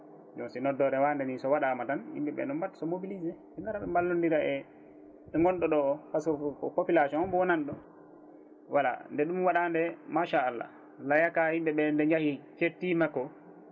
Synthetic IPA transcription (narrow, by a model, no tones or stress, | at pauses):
d͡ʒɔnsinɔdɔɾɛwandɛnisɔwaɗamatanhḭmbɛɓɛ̰nɔmbatːsɔmobilizɛ | ɛŋɡaɾaɗɔmbalːundiɾaʔɛ | ɛŋɡɔnɗɔɗɔkasɔpopilasɔmbɔwɔnanɗɔ | wala̰ndɛɗumwaɗandɛmaʃaːlːa̰ | lajakahimbɛɓɛndɛɲd͡ʒahit͡ʃetːimakːɔ